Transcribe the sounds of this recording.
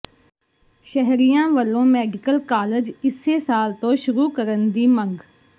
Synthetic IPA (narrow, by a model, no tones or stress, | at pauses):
ʃəɦɾijãːʋəlːõːmɛːɖɪkəlkaːləd͡ʒɪsesaːlt̪õːʃʊɾuːkəɾənd̪iːmə̃ŋɡ